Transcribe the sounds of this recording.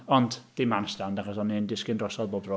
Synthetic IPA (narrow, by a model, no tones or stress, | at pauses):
ɔndd̥ɪmansdandaχɔsɔnːindɪskɪndrɔsɔðbɔlˠbrɔ